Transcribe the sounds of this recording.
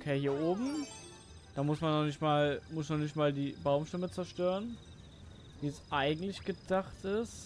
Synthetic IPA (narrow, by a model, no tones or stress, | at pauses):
kʰeːhiːɐʔoːbm̩ | d̥aːmʊsmanːɔχnɪçtmaːlmʊsnɔnɪç̬tmaːldiːbaʊmʃtɛmət͡sɛɐʃtøːʁən | viːəsʔaɪɡŋ̩tlɪçɡ̥ədaχtɪs